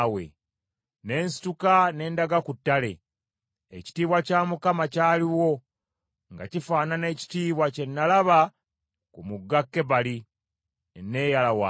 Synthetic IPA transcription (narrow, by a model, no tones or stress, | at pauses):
we̞̰ | ne̞ːnsi̥tukane̞ːndaɡakutːale̞ | ḛci̥tiːβwacaːmukamacaːliwo̞ | ŋɡa̰cifaːnane̞ːci̥tiːβwace̞nːalaβa | kumuɡːakːe̞βali | nːe̞ːjalawa̰